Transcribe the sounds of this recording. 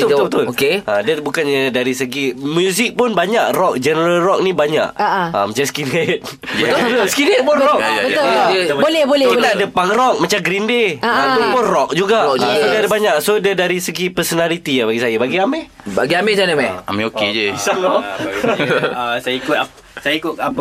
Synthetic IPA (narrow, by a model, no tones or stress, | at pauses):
bət̪b̪ʊbət̪ʊokeʔadəbukanɲədaɾisəɡimjuzik̚pʊnbaɲaʔrɔk̚d͡ʒənəɾəlrɔk̚nĩbaɲa̰ʔaa̰mat͡ʃaskinet̪̚ | skinet̪̚pʊnrɔkbəəbolɛbolɛinaadəpaŋrɔk̚mat͡ʃamɡɾindeamupʊnrɔk̚d͡ʒuɡaʔadaadəbaɲaʔsodədaɾisəɡipəsɔnalit̪ijabaɡisajabaɡiameba̰ɡiamɛd͡ʒanəmaa̰meoked͡ʒəisalɔ | asajaikʊt̪a | sajaikʊt̪̚a